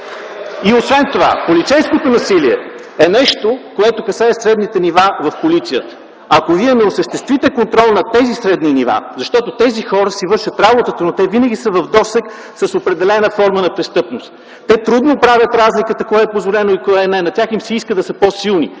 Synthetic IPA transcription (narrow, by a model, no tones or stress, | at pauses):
iosvɛnt̪ova̰polit̪sɛjskot̪onɐsiliɛ̰ | ɛnɛʃt̪okoɛt̪okɐsaəsɾɛd̪nit̪ɛnivavɐfpolit̪sijət̪ə̥ | ɐkoviɛnɛosəʃt̪ɛst̪vit̪ɛkont̪ɾɔlˠnɐt̪ɛzisɾɛd̪niniva̰zɐʃt̪ɔt̪ot̪ɛzixɔɾəsivɤɾʃət̪ɾabot̪ət̪ənot̪ɛvinəɡ̟isəvɐvd̪ɔsɛk | sɐsopɾɛd̪ɛlɛnəfɔɾmənɐpɾɛst̪ɤpnost̪ | t̪ɛt̪ɾud̪nopɾavʲjət̪ɾazlikət̪əkɔɛɛpozvolɛnoikɔɛɛnɛnɐtʲaximsɛiskəd̪ɐsɤposilˠni